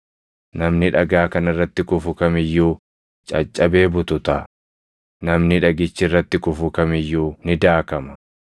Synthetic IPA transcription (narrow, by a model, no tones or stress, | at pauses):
nɐmnɪᶑɐɡaːkɐnɪrːɐt̪ːɪkʊfʊkɐmɪjːuː | t͡ʃʼɐ̰t͡ʃʼːɐbe̞ːbʊt̪ʊt̪ɐ | nɐmnɪᶑɐɡɪt͡ʃːɪrːɐt̪ːɪkʊfʊkɐmɪjːuːnɪd̪aːkɐmɐ̥